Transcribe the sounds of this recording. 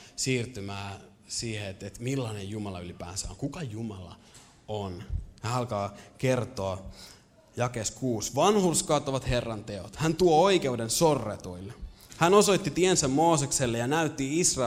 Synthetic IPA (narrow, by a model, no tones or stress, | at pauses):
siːrt̪ymæː | siːheet̪et̪milːɑːnejjumɑlɑylipæ̰ːnsæ̰oŋkukɑjumɑlɑ̰ | onhæːɑlkɑːke̞rt̪oɑ | jɑke̞ːskuːsʋɑnhurskɑːt̪oʋɑt̪he̞rːɑnt̪e̞ot̪hænt̪uooike̞udensorːet̪oilː | hæno̞so̞jt̪ːit̪iensæmːo̞ːsekselːejɑnæyt̪ːiisrɑ